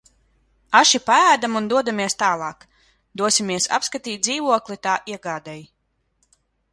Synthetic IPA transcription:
aʃipaæːd̪amund̪uɔd̪amiɛst̪aːlˠɑːk | d̪uɔsʲimiɛsa̰pskat̪iːt̪̚ziːvuɔklit̪aːʔiɛɡaːd̪ɛj

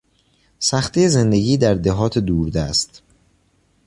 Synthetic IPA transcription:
sæxt̪ʰijeze̞nd̪e̞ɟiːd̪æɾd̪eɦɒːt̪ʰed̪uːɾd̪æst̪

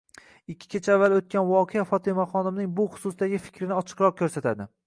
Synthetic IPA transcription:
ɪkʲʰːɪ̥kʲʰat͡ʃʰaavːalot̪̚kʲʰanvɒqʰeafɒt̪ʰɪmaχɒnɪmnɪŋbʊχʊ̥sʊsd̪aɡʲɪfɪ̥kʲʰɾɪnɪɒt͡ʃʰɨ̥qɾɒq̚kʰʲɵɾsat̪ʰad̪ɪ

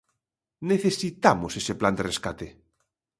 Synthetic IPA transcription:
neθesit̪amosesepland̪ereskat̪e

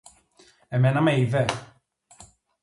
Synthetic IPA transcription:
ɛmɛnamejvɛ

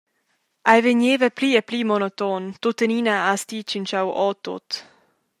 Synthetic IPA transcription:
ʔajveɲeːvəpliːɛpliːmɔnot̪ɔnt̪ot̪əninaast̪iːt͡ʃint͡ʃawʔɔːt̪o̰t̪

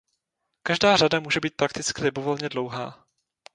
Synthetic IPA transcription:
kaʒdaːradamuːʒɛbiːt̪̚pɾakt̪ɪt͡skɪlɪbovo̞lɲɛdlowɦa̰ː

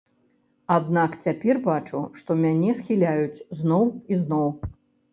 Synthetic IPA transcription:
ad̪nakt͡sʲapʲɛrbat͡ʂuʂt̪ɔmʲanʲɛsxʲilʲajut͡sʲznɔwiznɔw

